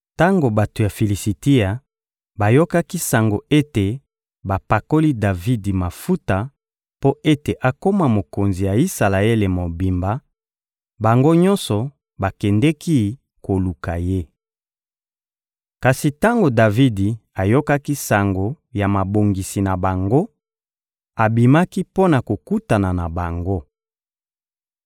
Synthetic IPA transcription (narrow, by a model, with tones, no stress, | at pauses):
ta˦ŋɡo˨ba˨to˨ja˨fi˨li˨si˨ti˦a˨ | ba˨jo˦ka˦ki˦sa˨ŋɡo˨e˦te˨ | ba˨pa˨ko˦li˦da˨vi˦di˨ma˨fu˦ta˨ | po˦ʔe˦te˨ʔa˨ko˦ma˦mo˨ko˨nzi˨ja˨i˦sa˨la˨e˦le˨mo˨bi˨mba˨ | ba˨ŋɡo˦ɲɔ̃˦nsɔ˨ | ba˨kɛ˨ndɛ˦ki˦ | ko˨lu˨ka˨je˦ | ka˨si˨ta˦ŋɡo˨da˨vi˦di˨a˨jo˦ka˦ki˦sa˨ŋɡo˨ | ja˨ma˨bo˨ŋɡi˨si˨na˨ba˨ŋɡo˦ | a˨bi˨ma˦ki˦po˦na˨ko˨ku˦ta˨na˨na˨ba˨ŋɡo˦